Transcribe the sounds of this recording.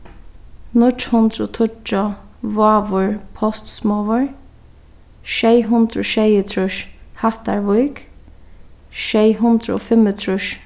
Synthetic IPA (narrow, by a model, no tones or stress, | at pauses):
nʊt͡ʃhʊnd̪ɾʊt̪ʰʊt͡ʃːʊʋaːʋʊɹpʰɔst̪smɔʋʊɹ | ʃɛjɦʊnt̪ɾʊ̰ʃɛjət̪ʰɾʊʃhaht̪aɹʋʊjk | ʃɛjɦʊnd̪ɾɔ̰fɪmət̪ʰɾʊʃ